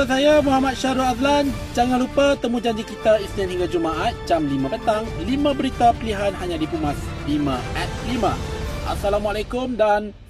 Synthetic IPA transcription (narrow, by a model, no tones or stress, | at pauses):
asajamuɦamat̪̚ʃaɾuazlan | d͡ʒaŋanlupət̪əmũd͡ʒaɲd͡ʒikit̪aisnianhiŋɡad͡ʒumaʔat̪̚t͡ʃamlimãpənt̪aŋlimãbəɾit̪apəliɦanhaɲãdipumaslimãʔɛt̪̚limã̰ʔa̰salamualakʊmdan